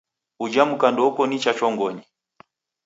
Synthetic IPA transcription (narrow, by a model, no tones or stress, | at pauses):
ud͡ʒamukandɔukɔnit͡ʃat͡ʃɔŋɡɔɲi